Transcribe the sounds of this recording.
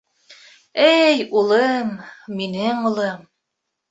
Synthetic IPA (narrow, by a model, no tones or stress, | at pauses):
æjulˠɤmːinɘŋulˠɤm